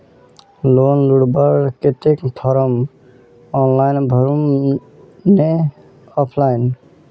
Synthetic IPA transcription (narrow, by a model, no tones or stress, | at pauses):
lonluɽbəɾket̪ekt̪ʰɔɾəm | ɔnlajnbʱəɾum | ne | ɔpʰlajn